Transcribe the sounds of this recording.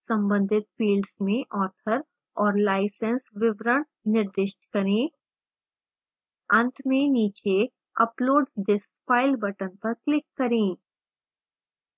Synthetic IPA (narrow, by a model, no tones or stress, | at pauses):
sɐ̃mbə̃nd̪ʱɪt̪̚fiːlɖsmẽʔɔːt̪ʰəɾ | ɔːɾlaːɪsə̃nsʋɪʋɾəɳ | nɪɾd̪ɪʃʈkɐɾẽː | ɐ̃nʈ̪ʰmẽniːt͡ʃe | ɐploːɖɖɪs | paːɪlbɐʈənpɐɾklɪkːɐɾẽː